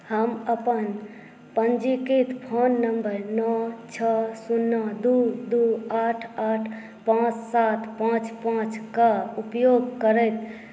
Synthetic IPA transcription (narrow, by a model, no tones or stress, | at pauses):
həməpən | pənd͡ʒikit̪pʰonːəmbəɾnɔt͡ʃʰəsunːəd̪ud̪uaʈʰaʈʰ | pãt͡ʃsat̪ʰpãt͡ʃpãt͡ʃkaupjoɡkəɾəjt̪